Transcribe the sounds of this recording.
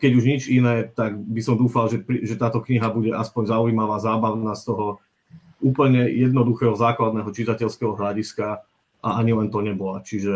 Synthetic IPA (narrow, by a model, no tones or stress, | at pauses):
kɛɟuʒɲit͡ʃinɛːt̪aɡbisɔmd̪uːfalʒɛpɾiʒɛt̪aːt̪ɔkɲiɦabuɟɛʔaspɔɲzauimaʋaːzaːbaʊnast̪ɔɦɔ | ʔuːpl̩ɲɛjɛd̪̚nɔd̪uxɛːɦɔzaːklad̪nɛːɦɔt͡ʃit̪acɛʎskɛɦɔɦlaɟiska | ʔaaɲilɛnt̪ɔɲɛbɔlat͡ʃiʒɛ